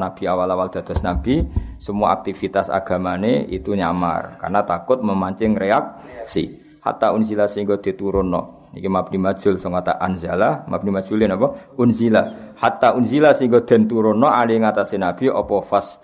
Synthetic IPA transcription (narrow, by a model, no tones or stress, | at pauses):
nab̥i̤awalawald̪̥a̤d̪̥ɔ̤snab̥isəmuaa̰k̚t̪ifit̪asa̰ɡ̥a̤maneḭt̪uɲa̰ma̰rka̰rnat̪akʊt̪̚məmaɲt͡ʃɪŋreak̚ | sḭ | ha̰t̪aunzilasiŋɡod̪̥e̤t̪uɾʊnɔ̰ | nikimab̥nimad̥ʒ̥ʊlsɔŋkat̪a̰ʔanzalahmab̥̚nimad̥ʒ̥ulɪnapɔunzilahat̪aʔunzilasiŋɡod̪̥ɛ̤nt̪uɾʊnɔʔaliŋat̪asinab̥i̤ʔɔ̰pɔfas